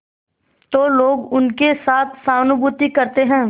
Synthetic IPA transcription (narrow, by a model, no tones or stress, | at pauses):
t̪oːloːɡʊnkesaːt̪ʰsaːnʊbʊːt̪ikɐɾt̪eɦɛ̃ː